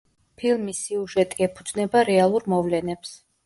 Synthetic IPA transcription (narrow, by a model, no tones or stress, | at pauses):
pʰilˠmisiuʒɛt̪ʼiɛpʰud̪znɛbaɾɛalˠuɾmɔvlɛnɛps